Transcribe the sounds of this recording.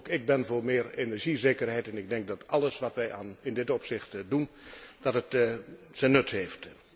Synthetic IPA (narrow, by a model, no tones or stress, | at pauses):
kɪɡ̚bɛnvoːɹmɪːrenəɹʒizeːkərɦɛjtɛnɪɡ̚dɛŋk̚dɑtʰɑlˠəsʋɑtʋɛja̰ːnɪndɪtɔpsɪxtdund̥ɑtət | sɛnɵtɦheːft